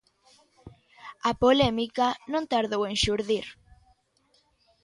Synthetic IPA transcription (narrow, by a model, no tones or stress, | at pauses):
apolemikanõnt̪aɾðowẽnʃuɾðiɾ